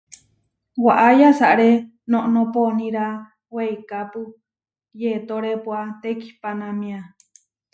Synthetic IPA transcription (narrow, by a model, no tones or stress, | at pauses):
waʔajasaʔɾe | nõʔnõponĩɾa | weikapu | jet̪oɾepwat̪eki̥panamĩa